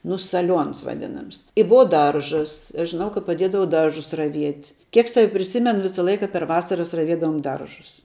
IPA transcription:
nʊ sɐˈlʲuɔns ʋɐˈdʲɪnɐms ɪ ˈbʊɐ ˈdɐrʒɐs ɪ ɐʃ ʒʲɪˈnɐʊ kɐ pɐˈdʲiɛdɐʋɐʊ ˈdɐrʒʊs rɐˈʋʲiɛtʲ ˈkʲiɛk ˈsɑːʋʲɪ pʲrʲɪˈsʲɪmʲɛnʊ ˈʋʲɪsɐ ˈlˠɐɪkɐ pʲɛr ˈʋɑːsɐrɐs rɐˈʋʲiɛdɐʋoːm ˈdɐrʒʊs

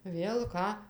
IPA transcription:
ˈʋʲeːlˠ ˈkɑː

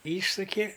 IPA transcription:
ˈiːʃsʊkʲɪ

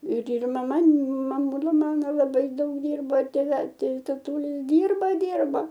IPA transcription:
ɪr ɪr mɐˈmɐ mɐˈmuːlˠɐ ˈmɑːnoː lˠɐˈbɐɪ ˈdɐʊk ˈdʲiːrboː ɪr tʲeːˈʋʲɛlˠ ˈtɐɪ tɐtuːˈlʲɪ ˈdʲiːrbɐ ˈdʲiːrbɐ

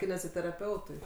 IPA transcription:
kʲɪnʲɛzʲɪtʲɛrɐˈpʲɛʊtʊɪ

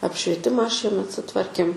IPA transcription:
ɐpʲʃʲʋʲiɛˈtʲɪmɑː ˈʃʲiɛmʲɛt sʊˈtʋɐrʲkʲeːm

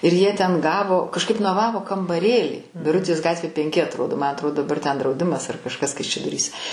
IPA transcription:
ɪr jiɛ tʲɛn ˈɡɑːʋoː kɐʃˈkɐɪp noːˈʋɑːʋoː kɐmbɐˈrʲeːlʲiː bʲɪˈrʊtʲeːs ˈɡɑːtʲʋʲeː pʲɛŋʲˈkʲɪ ɐtroːˈdoː mɐ ɐtˈroː dɐˈbɐr tʲɛn drɐʊˈdʲɪmɐs ɐr kɐʃˈkɐs kɐɪʃʲɛdoːˈrʲiːsʲɛ

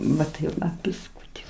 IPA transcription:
ˈʋɐ tɐɪ ˈʋɐ bʲɪsˈkuːtʲɪ

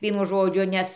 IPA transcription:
ˈʋʲiɛnʊ ˈʒoːd͡ʒʲʊ ˈnʲɛs

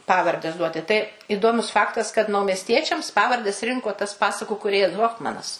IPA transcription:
ˈpɑːʋɐrʲdʲɛs ˈduɔtʲɪ tɐɪ ɪˈdoːmʊs ˈfɑːktɐs kɐt nɐʊmʲɛsʲˈtʲiɛt͡ʃʲɛms ˈpɑːʋɐrʲdʲɛs ˈrʲɪŋkoː tɐs ˈpɑːsɐkʊ kuːˈrʲeːjɛs ˈɣoːfmɐnɐs

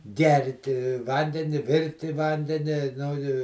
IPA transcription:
ˈɡʲɛrʲtʲɪ ˈʋɐnʲdʲɛnʲɪ ˈʋʲɪrʲtʲɪ ˈʋɐnʲdʲɛnʲɪ nʊ ɪ

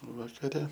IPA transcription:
ʋɐkɐˈrʲɛ

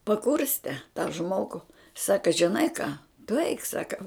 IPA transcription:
pɐˈkʊrʲsʲtʲɛ tɐ ˈʒmoːɡʊ ˈsɑːkɐ ʒʲɪˈnɐɪ kɑː tʊ ɛɪk ˈsɑːkɐ

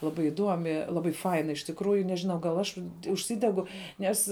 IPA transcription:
lˠɐˈbɐɪ ɪˈduɔmʲɪ ˈlˠɑːbɐɪ ˈfɐɪnɐ ɪʃ tʲɪkˈruːjʊ nʲɛʒʲɪˈnɐʊ ɡɐlˠ ɐʃ ʊʃʲˈsʲɪdʲɛɡʊ ˈnʲɛs

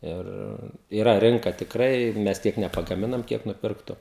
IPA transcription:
ˈɪr iːˈrɐ ˈrʲɪŋkɐ tʲɪkˈrɐɪ ˈmʲɛs ˈtʲiɛk nʲɛpɐɡɐˈmʲɪnɐm ˈkʲiɛk nʊˈpʲɪrktʊ

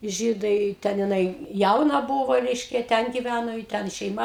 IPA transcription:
ˈʒʲiːdɐɪ ˈtʲɛn jɪˈnɐɪ ˈjɛʊnɐ ˈbʊʋoː ˈrʲɛɪʃʲkʲɛ ˈtʲɛn ˈɡʲɪˈʋʲænoː ɪ ˈtʲɛn ʃʲɛɪˈmɐ

